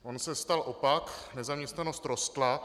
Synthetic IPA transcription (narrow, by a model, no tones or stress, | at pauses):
ʔonsɛst̪alʔopaknɛzamɲɛst̪nano̞st̪ɾost̪la